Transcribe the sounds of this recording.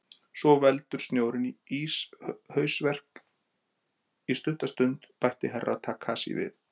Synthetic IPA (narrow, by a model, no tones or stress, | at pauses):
sɔvɛlt̪ʏɾ̥st̪njoːwɾɪniishœːɥsvɛr̥k | ist̪ʏht̪ast̪ʏnt̪pajht̪ɪɦɛrːʔa̰ðt̪ʰaːkʰːaːsḭvɪ̰ð